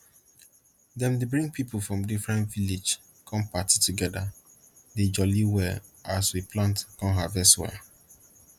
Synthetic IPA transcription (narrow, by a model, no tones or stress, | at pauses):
dɛ̃mdebɹĩŋɡ̚pipulfɹɔ̃mdifɹɛ̃ntvilid͡ʒ | kʰɔ̃mpatituɡɛda | ded͡ʒɔliwɛ | aswipʰlãntkɔ̃nɦavɛswɛ̰